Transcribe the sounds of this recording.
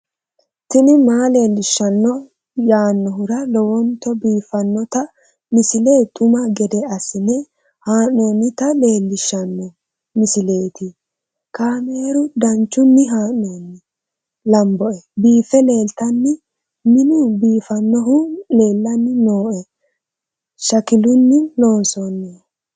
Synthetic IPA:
tɪnɪmaːle̞ːlːɪʃːɐnːɔ | jaːnːɔɦʊɾɐlɔwɔnt̪ɔbiːfɐnːɔt̪ɐ | mɪsɪleːt̪ʼʊmɐɡɛd̪ɛɐsɪnɛ | haːnːoːnːɪt̪ɐle̞ːlːɪʃːɐnːɔ | mɪsɪle̞ːt̪ɪ | kaːme̞ːɾʊd̪ɐnt͡ʃːʊnːɪɦaːnːoːnːɪ | lɐmbɔʔɛbiːfɛle̞ːlt̪ɐnːɪ | mɪnʊbiːfɐnːɔɦʊle̞ːlːɐnːɪno̞ːʔɛ | ʃɐkɪlʊnːɪlo̞ːnsɔnːe

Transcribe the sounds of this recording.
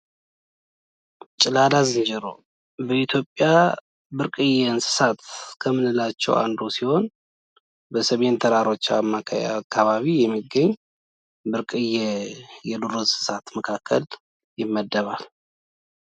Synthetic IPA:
t͡ʃʼɪlad̪azɨnd͡ʒɛɾo̰ | bəit̪ʰjo̞pʼːja | bɨɾkʼɨjɛnsɨ̥sat̪kʰəmɨnɨlːat͡ʃːɛ̰wʔa̰nd̪osiho̞n | bəsəment̪ʰəɾaɾo̞t͡ʃːaamːakʰːaβaβijɛmːiɡːəɲː | bɨɾkʼɨjːɛjɛduɾonsɨ̥sat̪məkʰakʰːə̰l | jɪmːəd̪ːəβal

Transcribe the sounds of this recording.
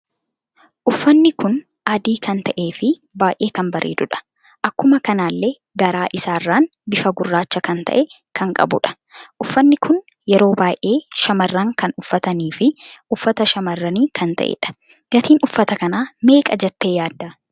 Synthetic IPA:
ʔʊfːɐnːɪkʊn | ʔɐd̪iːkʰɐnt̪ɐʔe̞ːfɪ | baːjʔe̞ːkɐmbɐɾʔḛːd̪ʊᶑɐ̥ | ʔɐkːʊmɐkɐnaːlːe | ɡɐɾaːʔɪsaːrːaːnbɪfɐɡʊrːaːt͡ʃːɐkɐnt̪ɐ̰ʔɛ | kʰɐŋkʼɐ̰bʊ̰ᶑɐ̥ | ʔʊfːɐnːɪkʰʊn | jɛɾo̞ːbaːjʔe̞ːʃɐmɐrːaŋkɐnʊfːɐt̪ɐniːfɪʊfːɐt̪ɐʃɐmɐrːɐniːkʰɐnt̪ɐ̰ʔɛ̰ᶑɐ̥ | ɡɐt̪iːnʊfːɐt̪ɐkɐnaːme̞ːkʼɐd͡ʒɐt̪ːe̞ːjaːd̪ːaː

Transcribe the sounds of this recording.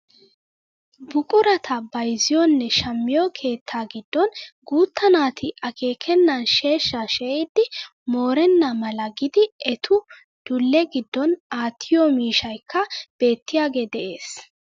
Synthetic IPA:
bʊkʼʊɾɐt̪ʰɐbɐjzɪjɔnːɛʃɐmːɪjɔkʰe̞ːt̪ʰːaːɡɪd̪ːɔnɡuːt̪ːɐnaːt̪ʰɪʔɐkʰe̞ːkʰɛnːɐnʃe̞ːʃːaʃɛɪd̪ːɪ | mo̞ːɾɛnːɐmɐlɐɡɪd̪ɪɛt̪ʰʊ | d̪̥ʊlːɛɡɪd̪ːɔnaːt̪ʰːɪjɔmiːʃɐjkʰːɐb̥e̞ːt̪ːɪjaːɡe̞ːd̪ɛʔe̞ːs

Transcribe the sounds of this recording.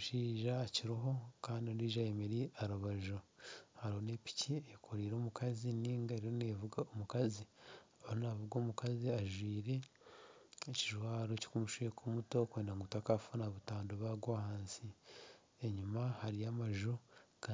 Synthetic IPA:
ʃiːʒaːciɾiɦo̞kaːndioɾiːʒajemeɾiaɾuβaʒohaɾiho̞neːpi̥ciekʰoɾiːɾoːmukʰaziniːŋɡaeɾiɾoneːvuɡaomukaziaonavuɡoːmukaziaʒwiːɾe̞ | eciʒwaːɾoci̥kumuʃijekumuto̞kweːndaŋɡutakafunaβutaːndoβaɡwahaːnsi | eɲumahaɾijamaʒuka

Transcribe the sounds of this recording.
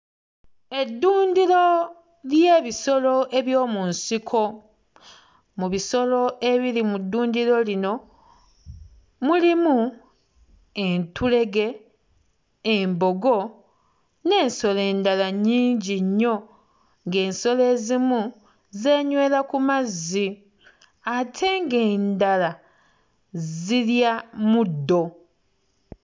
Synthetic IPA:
e̞dːuːndiɾo̞ | lje̞ːβiso̞lo̞ʔe̞βjoːmunsikʰo̞ | muβiso̞lo̞e̞βilimudːuːndiɾo̞lino̞ | mulimu | e̞ntule̞ɡe̞ | mbo̞ɡo̞ | ne̞ːnso̞le̞ːndalaɲiːɲɟiɲːo̞ | ŋɡe̞ːnso̞le̞ːzimu | ze̞ːɲwe̞ːlakumazːi | atʰe̞ŋɡe̞ːndala | ziljamud̪ːo̞

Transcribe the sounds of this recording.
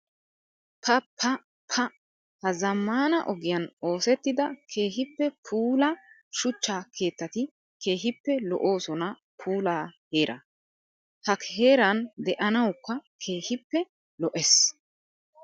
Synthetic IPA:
pʰɐpʰːɐ | pʰɐ | hɐzɐmːaːnɐʔɔɡɪjɐno̞ːsɛt̪ːɪd̪ɐkʰe̞ːɦɪpːɛpʰuːlɐ | ʃʊt͡ʃːaːkʰe̞ːt̪ːɐt̪ɪ | kʰe̞ːɦɪpːɛlɔ̰ʔo̞ːsɔnɐ | pʰuːlaːhe̞ːɾʔɐ̰ | hɐkhe̞ːɾɐnd̪ɛʔɐnɐwkːɐkʰe̞ːhɪpːɛ | lɔʔɛs

